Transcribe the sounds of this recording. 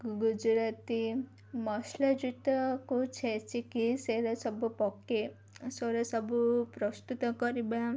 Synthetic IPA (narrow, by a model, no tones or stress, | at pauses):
ɡud͡ʒɾat̪i | mɔslɐd͡ʒut̪ɔkut͡ʃʰɛt͡ʃikiseɾasɔbupɔkːe | soɾasɔbupɾɔst̪ut̪ɔkɔɾibã